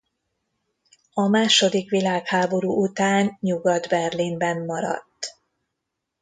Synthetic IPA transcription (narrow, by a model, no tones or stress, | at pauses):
ɒmaːʃo̞d̪ikʋilaːkhaːbo̞ɾuːʔut̪aːɲɲuɡɒd̪bɛrlimbɛmːɒɾɒ̰t̪ː